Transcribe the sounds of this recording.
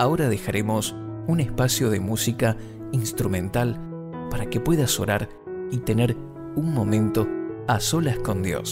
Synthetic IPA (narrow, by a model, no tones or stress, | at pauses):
ao̞ɾað̞e̞xaɾʔemo̞sunespasjo̞ð̞e̞musika | inst̪ɾumẽ̞nt̪al | paɾake̞pwe̞ðaso̞ɾaɾ | it̪e̞neɾ | unmo̞mẽ̞nt̪o̞asolasko̞nd̪jo̰s